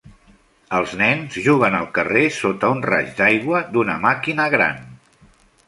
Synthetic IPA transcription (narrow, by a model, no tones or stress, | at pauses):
əlˠznɛnzʒuɣ̞ənəlˠkəresot̪əunra̰ʒd̪ajɣwəd̪unə̰makinəɣɾa̰n